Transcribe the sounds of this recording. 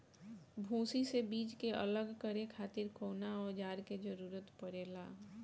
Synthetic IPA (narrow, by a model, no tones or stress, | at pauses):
bʱũːsisebiːd͡ʒkeʔə̰ləɡkəɾekʰaːt̪ɪɾkoːnaɔːɾd͡ʒaːɾked͡ʒəɾuːɾət̪pəɾeːlaː